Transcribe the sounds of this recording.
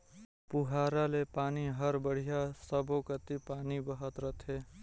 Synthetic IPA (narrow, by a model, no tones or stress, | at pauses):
puɦaːɾalepaːniɦəɾbəɽ̤ijasəbokət̪ipaːnibəɦət̪ɾət̪ʰɦe